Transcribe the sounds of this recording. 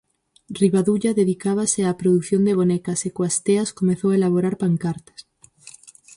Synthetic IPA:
riβaðuʎaðeðikaβ̞aseapɾoðuθjond̪eβ̞onekasekwast̪easkomeθoelaβ̞oɾaɾpaŋkaɾt̪ḁs

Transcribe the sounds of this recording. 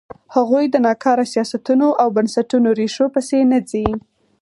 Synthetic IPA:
haɣujd̪ənɑkɑɾasijɑsat̪unoʔawbansaʈunoɾeʃopəsenəd͡zi

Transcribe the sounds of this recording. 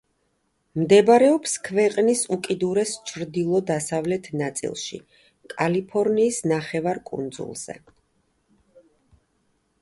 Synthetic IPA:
md̪ɛbɾɛɔpskʰvɛqʼnisukʼid̪uɾɛst͡ʃʰɾd̪ilˠɔd̪asavlɛt̪ʰnat̪sʼḭlˠʃḭ | kʼalipʰɔɾniːsnaχɛvaɾkʼṵnd̪zṵlˠz̥ɛ̰

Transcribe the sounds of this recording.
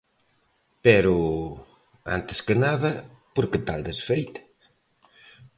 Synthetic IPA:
pɛɾu | a̰nt̪e̥skənaðɐ | poɾkət̪ald̪esfejt̪

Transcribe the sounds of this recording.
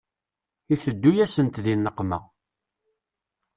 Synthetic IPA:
iθəd̪ːujæsənt̪ðinːəqːmæ̰

